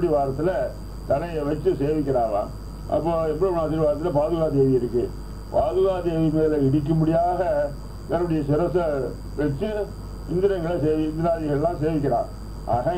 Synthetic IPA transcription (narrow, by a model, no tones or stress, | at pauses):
ɐɽiʋaːɾɐt̪ːɪlɐ | t̪ɐnɐjɐʋɐt͡ʃːɯseːʋɪk̬ʲːɪɾaːlã̰ː | ʔɐ̰pːoːɛpːɐɽiʊnaːt̪ːɪɾʋaːɾɐt̪ːɪlɐpaːðɯɣaːd̪eːʋɪjɪɾɯkːɯ | paːðɯɣaːd̪eːʋɪmɐlɐɪɽɪk̬ːɯmʊɽɪjaːɣɐ | ʋ̪ɐɾɯɽɪjɐsɪɾɐsɐ | ʋɐt͡ʃːɯ | ɪnd̪ɪɾɐŋɡɐɭɐseːʋɪɪnd̪ɪɾaːðɪɣɐɭlãːseːʋɪk̬ʲːɪɾãː | ʔa̰ːɣa